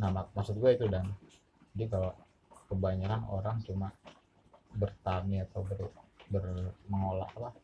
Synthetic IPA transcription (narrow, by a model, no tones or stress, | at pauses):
namak̚masʊt̪̚ɡuait̪udaŋ | d͡ʒadikalo | kəbaɲaɾano̰ɾaŋt͡ʃuma | bərt̪aniat̪awbərbərməŋola̰ʔapah